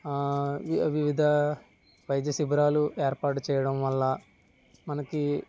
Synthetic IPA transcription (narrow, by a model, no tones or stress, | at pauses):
ʋiʋid̪ʱɐ | ʋɐjɐd̪jɐsibɾaːluʔeːɾpaːʈut͡ʃɛːjɐɽɐmʋɐlːɐ | mɐnɐki